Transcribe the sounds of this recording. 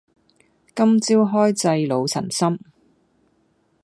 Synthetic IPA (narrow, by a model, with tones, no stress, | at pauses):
kɐ˥mt͡siː˥wɦɔː˥jt͡sɐ˧jlo˨˧wt͡sʰɐ̰˨˩nsɐ˥m